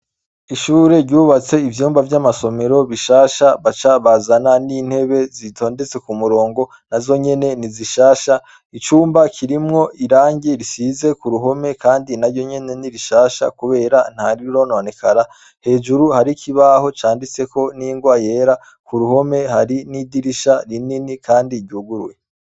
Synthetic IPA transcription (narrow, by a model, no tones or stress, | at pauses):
iʃuːɾe̞ɾɟuːβat͡se̞ivjuːmbavjamaso̞me̞ɾo̞βiʃaːʃaβat͡ʃaβazananin̥he̞βe̞zitʰo̞ːnde̞t͡se̞kumuɾo̞ːŋɡo̞ | nazo̞ɲe̞ne̞niziʃaːʃa | it͡ʃuːmbakʰiɾimŋo̞ʔiɾaːɲɟiɾisize̞kuɾuɦo̞me̞kaːndinaɾɟo̞ɲe̞ne̞niɾiʃaːʃa̰kuβe̞ːɾan̥haɾiɾo̞ːnone̞kʰaɾa | he̞ːʒuɾuhaɾikʰiβaho̞t͡ʃaːndit͡se̞ko̞niːŋɡwaje̞ːɾa | kuɾuho̞me̞haɾinidiɾiʃaɾininikaːndiɾɟuːɡuɾwe̞